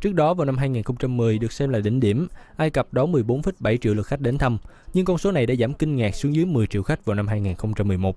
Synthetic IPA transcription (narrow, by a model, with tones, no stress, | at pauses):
t͡ɕɨ˦˥ək̚ɗɔ˨˦vaː˨˩wna˧mɦaː˧jŋiː˨˩nxə˧wŋ͡mt͡ɕa˧mːɨ˨˩əjɗɨ˨˩ək̚sɛ˧mlaː˨˩ɗï˧˩ŋ̟ɗi˧˩əmʔaː˧jkə˨˩p̚ɗɔ˨˦mɨ˨˩əjɓo˨˦nfi˦˥t̚ɓa˧˩jt͡ɕḭ˧əwlɨ˨˩t̚xa˦˥k̟̚ɗe˨˦nt̪ʰə˧m | ɲɨ˧ŋkɔ˧nso˨˦na˨˩jɗa̰ː˧˥zaː˧˩mkï˧ŋ̟ŋɛː˨˩k̚su˨˦ŋzɨ˨˦jmɨ˨˩əjt͡ɕḭ˧əwxa˦˥k̟̚vaː˨˩wna˧mɦaː˧jŋiː˨˩nxə˧wŋ͡mt͡ɕa˧mːɨ˨˩əjmo˨˩t̚